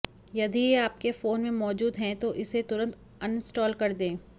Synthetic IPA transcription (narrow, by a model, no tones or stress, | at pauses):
jɐd̪ʱieaːp̚kefoːnmẽmɔːd͡ʒuːd̪ɦɛ̃t̪oʔɪset̪ʊɾə̃nt̪ | ɐnɪsʈɔːlkɐɾd̪ẽː